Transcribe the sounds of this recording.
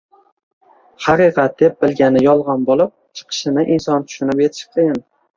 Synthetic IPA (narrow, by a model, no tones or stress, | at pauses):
hɑqiqɑt̪̚d̪̥ep̚bɪlɡʲanɪjɒlˠʁɑnbolˠɪp̚t͡ʃʰɨ̥qʰɨ̥ʃɪnɪʔinsɒnt̪ʰʊ̥ʃʊnɪpje̞t̪ʰɪ̥ʃ̚qʰɨjɪn